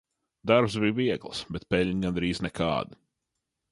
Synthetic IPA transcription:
d̪aɾpsbijviɛɡlˠsbɛt̪̚pɛlʲɲɡand̪ɾiːznɛkʰa̰ːd̪ɪ

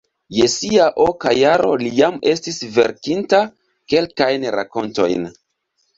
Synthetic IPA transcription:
jesiaʔokajaɾo̞̰lijame̞stisve̞̰ɾkinta | ke̞lkajnɾa̰ko̞nto̞̰jn

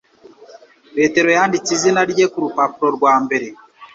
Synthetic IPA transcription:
peːteɾojaːndit͡sizinaɾiɟekuɾupapuɾoɾɡwaːmbeɾe

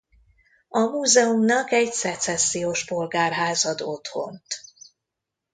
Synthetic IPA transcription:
ɒmuːzɛumnɒkɛɟsɛt̪sɛsːijoʃpo̞lɡaːrɦaːzɒd̪o̞t̪ho̞̰nt̪

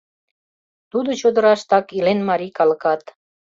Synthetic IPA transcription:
t̪ud̪ŏt͡ɕod̪ə̆ɾɑʃt̪ɑkilenmɑɾikɑlɤ̆kɑt̪

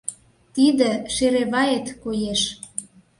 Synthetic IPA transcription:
t̪id̪ĕʃeɾeβɑet̪kojeʃ

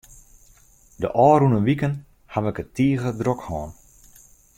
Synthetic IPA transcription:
dəʔɔːɾunənʋikən | haʋəkətʰiːəɣədrokhɔːn

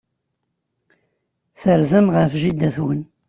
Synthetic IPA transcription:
θəɾzəmʁəfʒid̪æθwən

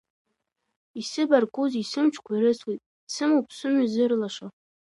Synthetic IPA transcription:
isɨbarkʷʼuzisɨmt͡ʃʷʰkʷʰaiɾɨsʰwit̚ʼ | sɨmowpʰsʊmyzɨrlaʂa

